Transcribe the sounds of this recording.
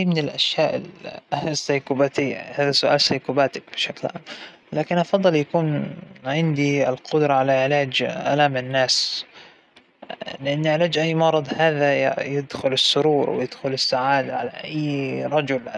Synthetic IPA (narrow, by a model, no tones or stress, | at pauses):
mɪnɪlʔaʃjaːʔɪlsːajkuːbat̪ɪja̰haːðasʊʔaːlsajkuːbaːt̪ak̚bɪʃaklʕa̰ːm | laːkɪnʔɑfɑd̪ˤːɨljakuːnʕɪnd̪iɪlqʊd̪ɾˤɑʕalaʕɪlaːd͡ʒʔa̰laːmɪnːaːs | lɪʔɪnːɪʕɪlaːd͡ʒʔajːmɑɾˤɑd̪ˤhaːðajɪd̪xʊlɪsːʊɾuːɾ̰ˤwjɪd̪̥xʊlɪsːaʕaːd̪aʕala̰ʔajːɾˤɑd͡ʒʊl